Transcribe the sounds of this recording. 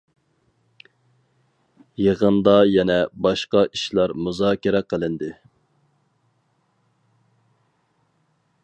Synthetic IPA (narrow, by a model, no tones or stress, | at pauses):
jeʁənd̪ɑjɛnɛbɑʃqɑʔiʃlˠɑɾmuzɑːkʲɪɾɛqəlˠɪnd̪ɨ